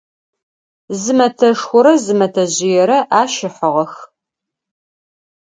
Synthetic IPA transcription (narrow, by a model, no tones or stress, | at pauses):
zɨmɐtʰɐʂxʷʊɾɐzɨmɐtʰɐʑɪjɛɾɐʔaːʃɪħəʁɐx